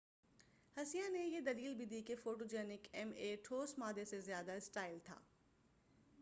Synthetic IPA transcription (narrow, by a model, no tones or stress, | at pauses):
hɐsijanejed̪ɐliːlbʱid̪ikefoːʈod͡ʒɛːnɪkɛmeʈʰoːsmaːd̪esezjaːd̪aɪsʈaːɪlt̪ʰa̰ː